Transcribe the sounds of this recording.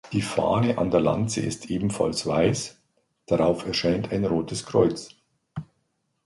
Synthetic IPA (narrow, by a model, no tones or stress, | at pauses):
d̥iːfa̰ːnəʔa̰ndeːɐla̰nt͡sə̰ɪ̰stʔeːbm̩fa̰lsv̥aɪs | d̥aʁaʊfɛɐʃaɪntʰaɪnʁoːtʰəskʁ̥ɔʏt͡s